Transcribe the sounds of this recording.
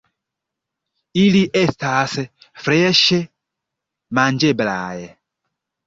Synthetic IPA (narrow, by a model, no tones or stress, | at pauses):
iliʔɛt̪asɛfɾɛʃɛ | mand͡ʒɛbla̰ːjɛ